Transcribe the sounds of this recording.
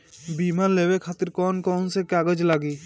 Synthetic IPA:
biːmaɾleːwekʰaːt̪əɾkɔːnkɔːnsekaːɡəd͡ʒlaːɡiː

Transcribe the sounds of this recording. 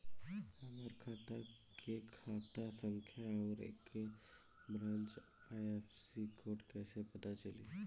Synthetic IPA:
aməɾkʰaːt̪a | kʰekʰaːt̪asə̃ŋkʰjaɔːɾḛːk | bɾãːnt͡ʃ | aefʰsikʰoːʈkɛːsepət̪at͡ʃəlḭ

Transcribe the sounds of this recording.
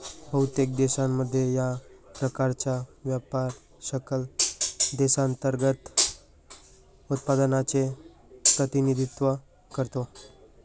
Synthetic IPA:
bəɦut̪jek̚d̪esamːəd̪ʱːjejapɾəkaɾt͡ɕjaʋjapaɾ | səkəld̪esant̪əɾɡət̪ | ut̪̚pad̪ənat͡ɕe | pɾət̪inid̪ʱit̪ʋə | kəɾt̪o

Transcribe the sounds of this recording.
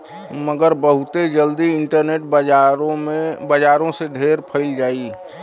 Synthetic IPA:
məɡəɾbəɦʊt̪ed͡ʒəld̪iɪɳʈəɾneːʈ̚b | bəd͡ʒaːɾõseɖʱeːɾpʰəɪld͡ʒaːi

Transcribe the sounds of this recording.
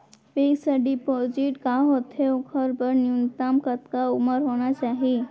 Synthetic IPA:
peɡsəɖipod͡ʒiʈkaɦot̪ʰeokʰəɾbəɾniunt̪amkət̪kauməɾɦoñat͡ʃaɦi

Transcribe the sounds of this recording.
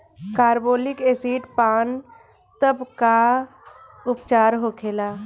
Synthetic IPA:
kaːɾboːlɪkeːsiːʈpaːn | t̪əbka | ʊpt͡ʃaːɾɦoːkʰeːlaː

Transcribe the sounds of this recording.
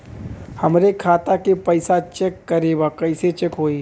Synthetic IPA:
hɐmɾekʰaːt̪akepɐɪsat͡ʃekːɐɾebakɐɪset͡ʃekɦoːiː

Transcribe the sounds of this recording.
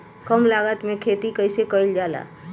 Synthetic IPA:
kəmlaːɡət̪mẽkʰeːt̪ikəɪsekəɪld͡ʒaːla̰ː

